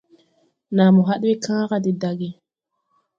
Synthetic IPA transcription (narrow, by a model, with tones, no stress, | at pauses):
na˨mu˨ɦa˦ɗwi˦kʰãː˦ka˦di˨da˨ɡi˨